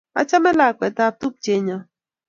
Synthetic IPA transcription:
a̰˦t͡ʃa˦me˦la˨kʷe˨ta˦˨tu˦p̚t͡ʃe˨˦ɲɔ˦

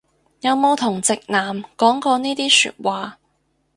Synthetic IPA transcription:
jɐ˨˧wmo˨˧wt̪ʰʊ˨˩ŋt͡sɪ˨k̚naː˨mkɔː˨˥ŋkɔː˧niː˥t̪iː˥sy̰ː˧t̚waː˨

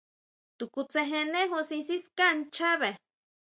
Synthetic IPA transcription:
t̪ukut͡seɦe˧ne˦ɦo˧sisi˦skant͡ʃa˦βe˨

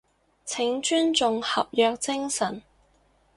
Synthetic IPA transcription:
t͡sʰɪ˨˥ŋt͡ʃyː˥nt͡sʊ˨˧ŋhɐ˨p̚jœː˧k̚t͡sɪ˥ŋsɐ˨˩n

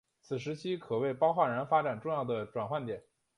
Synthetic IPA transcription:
t͡sʰɹ̩˨˩ʂ̬ɻ̩˧˥t͡ɕʰi˥kʰɤ˨˩we˥˩ɪpɑ˥ʊxwa˥˩ɻa˧˥nfa˥ʈ͡ʂa˨˩nʈ͡ʂʊ˥˧ŋjɑ˥˩ʊd̪ə˩ʈ͡ʂwa˨˩nxwa˥˩nt̪jɛ˨˩˦n

